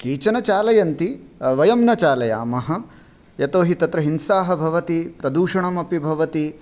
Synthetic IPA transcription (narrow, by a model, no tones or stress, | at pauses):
kiːt͡ʃɐnɐt͡ʃaːlɐjɐnt̪iʋɐjɐmnɐt͡ʃaːlɐja̰ːmɐɦɐ̆ | jɐt̪oːɦit̪ɐt̪ɾɐɦinsaːɦɐ̆bʱɐʋɐt̪ipɾɐd̪uːʂɐɳɐmɐpibʱɐʋɐt̪i